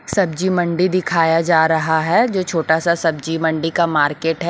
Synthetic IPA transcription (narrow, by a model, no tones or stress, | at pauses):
sɐb̚d͡ʒimɐ̃ɳɖid̪ɪkʰaːjad͡ʒaːɾɐɦaɦɛd͡ʒoːt͡ʃʰoːʈasasɐb̚d͡ʒimɐ̃ɳɖikamaːɾkeːʈɦɛ